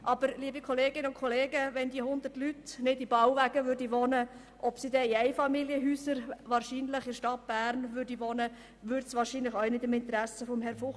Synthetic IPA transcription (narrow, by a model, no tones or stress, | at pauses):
ʔɑb̥əɾliəbikʰɔleːɡɪnəʊnkʰχɔleːɡəʋɛndiəhʊnd̪ərtlytnɪdibɑwvæːɡ̥əʋøːɾdiʋɔnə | ʔɔpsidɛiæɪfɑmiljəɦyːsəɾʋɑːɾʃiːnləχɪɾʃtɑt̚b̥æːrnʋʏːɾdiʋoːnə | ʋʏɾtsʋɑːɾʃiːnləχœʊnɪdɪmɪnt̪əɾæsəfɔmɦɛɾfʊχ